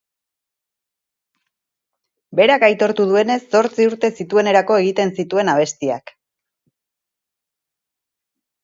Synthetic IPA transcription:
be̞ɾakajt̪o̞ɾt̪uð̞ue̞ne̞sːo̞ɾt͡siuɾt̪e̞sit̪ue̞ne̞ɾako̞e̞ɣ̞it̪e̞nsit̪ue̞naβ̞e̞st̪ia̰k

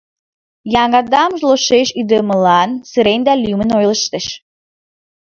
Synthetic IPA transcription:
jɑŋɡɑd̪ɑmʒlˠoʃeʃyd̪ə̆mə̆lˠɑnsɨɾenʲd̪ælʲymɘ̆nojlˠəʃt̪ə̆ʃ

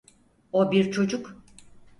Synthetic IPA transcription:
obiɾt͡ʃʰo̞d͡ʒuk

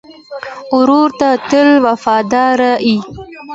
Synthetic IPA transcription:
ʊɾuɾt̪at̪əlwafɑd̪ɑɾai

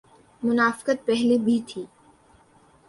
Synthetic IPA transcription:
mʊnaːfɪ̥qət̪̚pɛɦlebʱit̪ʰiː

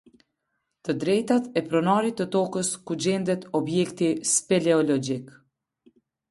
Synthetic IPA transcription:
t̪əd̪ɾɛjt̪at̪ɛpɾɔnaɾit̪ːət̪ɔkəskud͡ʑɛnd̪ɛt̪ɔbjɛkt̪ispɛlɛɔlɔd͡ʒik

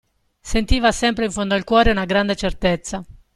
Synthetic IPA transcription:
sent̪iːvasɛmpɾeiɱfond̪oilkwɔːɾeunaɡɾand̪et͡ʃert̪et̪sːa

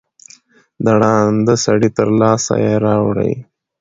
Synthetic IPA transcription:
d̪aɽɑnd̪əsaɽit̪əɾlɑːsa̰jeɾɑwɽə̰j

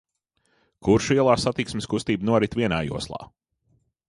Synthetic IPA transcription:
kuɾʃiɛlˠaːsat̪iksmʲɪskust̪iːbnuɔɾit̪vʲiɛnaːjṵɔslˠa̰ː

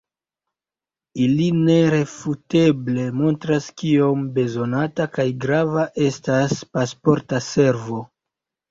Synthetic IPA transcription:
iline̞ɾe̞fute̞ble̞mo̞ntɾaskio̞mbe̞zo̞natakajɡɾavaʔe̞staspaspo̞ɾtase̞ɾvo̞

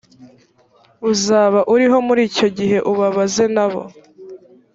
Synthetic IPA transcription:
uzaːβaʔuɾiɦo̞muɾiːco̞ɟiɦe̞ʔuβaβaze̞naβo̞̰

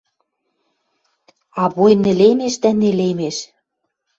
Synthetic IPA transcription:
ɑβojmnĕlemeʃt̪ænelemeʃ

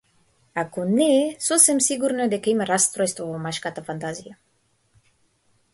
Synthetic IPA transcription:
akunesosemsiɣuɾned̪ekejmerast̪ɾoest̪ovomaʃkat̪afant̪azia

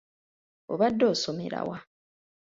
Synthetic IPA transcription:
oβadːoːso̞me̞̰ɾa̰wa

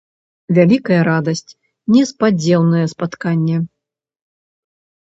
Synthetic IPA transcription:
vʲalʲikɐjɐɾad̪ɐsʲt͡sʲ | nʲɛspad͡zʲɛwnɐjɛspat̪kanʲːɛ

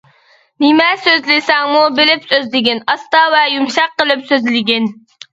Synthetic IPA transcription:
nɪmɛsøzlɪsɛŋmubɪlɪpsøzlɪɡʲɪnɑst̪ɑvɛjumʃɑq̚ːəlˠɪpsøzlɪɡʲɪn

